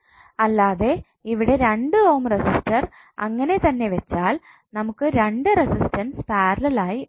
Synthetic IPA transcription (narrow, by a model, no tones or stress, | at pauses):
ɐlːaːðe̞ | iʋiɽe̞ɾe̞ɳɖɨoːmresistɐr | ɐ̰ŋːɐne̞t̪ɐnːe̞ʋet͡ɕːaːl | nɐmukːɨɾe̞ɳɖɨresistɐnspaːɾɐlɐlaːji